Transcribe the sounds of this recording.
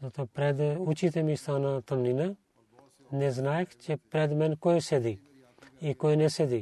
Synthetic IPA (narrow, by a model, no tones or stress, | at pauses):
t̪opɾɛːd̪ʊt͡ʃiːt̪emĩst̪aːnãːt̪əmniːna | neznaːjkt͡ʃepɾɛːd̪mɛ̃nkoːised̪iː | ikoːineːseːd̪iː